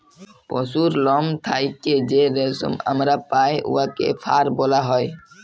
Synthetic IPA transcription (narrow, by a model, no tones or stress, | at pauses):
pɔsuɾlɔmt̪ʰajked͡ʒeɾeso̰ma̰mɾapajʔṵakḛfʰaɾbɔlaɦɔj